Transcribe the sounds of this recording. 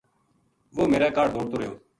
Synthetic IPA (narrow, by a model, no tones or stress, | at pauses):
ʋoːmeːɾɛːkaːɽd̪ʱoːɽt̪oːɾəɦjoː